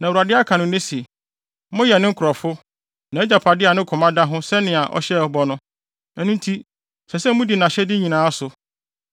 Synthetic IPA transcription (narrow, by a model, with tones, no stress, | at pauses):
nã˨wu˨ɾa˨dɪ˦a˦kʰa˨nʊ̃˨˦nɪ̃˦si˨ | mʊ̃˦jɛ˨nɪ̃˦ŋ̩˦kʰɾɔ˨fʊ˦ | nã˨ɛ˦d͡ʑa˨pʰa˨dɪ˦a˨nɪ̃˦kʰɔ̃˨mã˦da˦ɦʊ̃˦sɛ˦nɪ̃˨a˨ʔɔ̰˦ɕɛ˦˨bɔ˦nʊ̃˦ | ɛ˨nũ˦n̩˦tʰi˦ | sɛ˨sɛ˦mũ˦di˨nã˨ɕɛ˦dɪ˦ɲĩ˨nãː˨˦a˦sʊ˨